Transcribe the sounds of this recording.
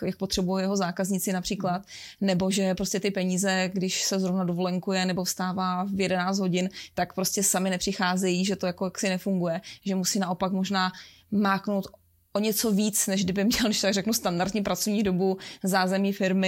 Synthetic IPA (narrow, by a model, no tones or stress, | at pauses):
jak̚pot̪r̥ɛbujowjɛɦozaːkazɲɪt͡sɪnapr̥iːklat̪ | nɛbo̞ʒɛpɾoscɛt̪ɪpɛɲiːzɛɡdɪʃsɛzɾovnadovolɛŋkujɛnɛbo̞fst̪aːvaːvjɛdɛnaːt͡st̪ɦo̞ɟɪnt̪akpɾoscɛsamɪnɛpr̝̥ɪxaːzɛjiʒɛt̪o̞jakojaksɪnɛfuŋɡujɛʒɛmusiːnaʔo̞pakmo̞ʒnaː | maːkno̞wt̪ | ʔoɲɛt͡so̞viːt͡snɛʒɡdɪbɪmɲɛlnɛʃt̪ot̪aɡrɛknust̪andaɾd̪ɲiːpɾat͡sovɲiːdo̞buzaːzɛmɲiːfɪɾmɪ